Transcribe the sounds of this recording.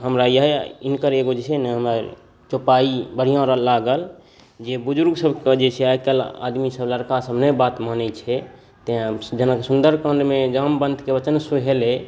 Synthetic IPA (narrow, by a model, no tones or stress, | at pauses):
ɦəmɾajəɦeinkəɾeɡod͡ʒesɛnɛɦəməɾ | t͡ʃopaibəɽ̤ijãɾəlaɡəl | d͡ʒebud͡ʒuɾɡsəbkəd͡ʒet͡ʃʰɛajkəla̰d̪misəbləɾkasəbnəbat̪mənɛt͡ʃʰɛ | t̪d͡ʒənakesund̪əɾkə̃nɖmed͡ʒəmbənd̪ʱkebət͡ʃənsuɦele